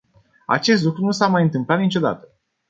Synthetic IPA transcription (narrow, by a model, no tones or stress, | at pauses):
a̰t͡ʃe̞s̬t̪lukɾunusamajɨnt̪ɨmplat̪nit͡ʃo̞d̪a̰t̪ə